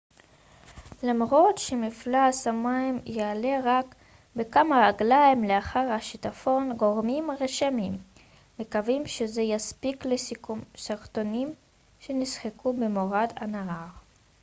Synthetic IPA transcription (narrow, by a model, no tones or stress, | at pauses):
lamʁo̞tʃemiflaːsamajmjeale̞ʁak | be̞kamaʁaɡlajmleaχaʁhaʃitafo̞nɡo̞ʁmimʁeʃamimː | ekavimʃeze̞jaspiklesikumsaʁto̞nim | ʃe̞nisχekʰube̞moʁadanaʁaʁ